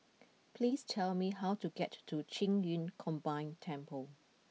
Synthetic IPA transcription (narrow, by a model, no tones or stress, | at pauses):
pʰlistʰɛlmiɦawtuɡɛtːut͡ʃĩŋjĩnkʰɔ̃mbãɪ̃ntʰɛ̃mpəl